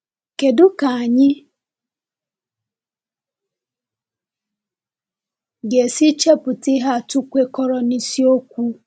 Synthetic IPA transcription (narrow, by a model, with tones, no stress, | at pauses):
ke˨dʊ˦ka˨a˨ɲɪ˦ | ɡe˨si˦t͡ʃe˦pʊ˨ti˦ɦa˦˨tʊ˦kʷe˦kɔ˦ɾɔ˨ni˦si˦o˦kʷu˦